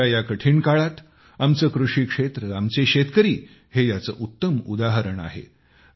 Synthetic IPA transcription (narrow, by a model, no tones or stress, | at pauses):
ajakəʈʰiːɳkaɭat̪ | amt͡səːkɾuʂiːkʂet̪ɾəamt͡seɕet̪kəɾiː | hejat͡sə̰ːʔut̪ːəmṵd̪aɦəɾəɳa̰ɦḛ